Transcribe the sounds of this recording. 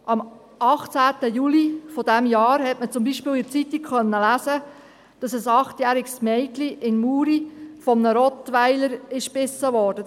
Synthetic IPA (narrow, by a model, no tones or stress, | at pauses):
ʔɑm | ɑχt͡sæːt̪əjulifɔd̥æmjɑːɾhɛtmət͡sʊmbiʃpɪːlɪt͡sit̪ikχœnːəlæːsə | d̥ɑsəsɑχt̪jæːɾiksmɛɪkliʔɪnmuːɾifɔmnəɾɔt̪ʋæɪləɾɪʃpɪsəʋɔːɾd̥ə